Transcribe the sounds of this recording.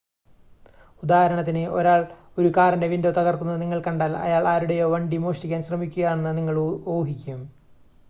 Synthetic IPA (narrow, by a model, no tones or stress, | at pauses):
ud̪aːhɐɾɐɳɐt̪̬ːineʔo̞̰ɾaːɭ | oɾukaːɾɐnde̞ʋindot̪ɐɣɐrk̪unːɐniŋːɐɭkɐɳɖaːlɐ̰jaːɭaːɾuɽe̞jo̞ːʋɐɳɖimoːʂtikʲːaːnɕrɐmikʲːuɣɐðaːɳenːɐniŋːɐɭoːɦikʲːɐɐm